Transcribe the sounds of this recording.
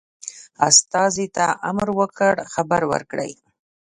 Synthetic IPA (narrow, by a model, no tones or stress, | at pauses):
ast̪ɑzit̪aʔamɾwəkəɽxabaɾwə̰ɾkɽə̰j